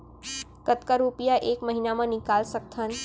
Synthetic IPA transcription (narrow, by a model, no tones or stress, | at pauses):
kət̪kaɾupijaʔeːkməɦinamãnɪkaːlsək̚t̪ʰan